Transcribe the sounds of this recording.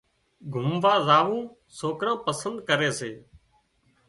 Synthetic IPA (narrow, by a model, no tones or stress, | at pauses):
ɡʱʊmʋaːzaːʋũː | soːkɾãːpəsənd̪kəɾeːseː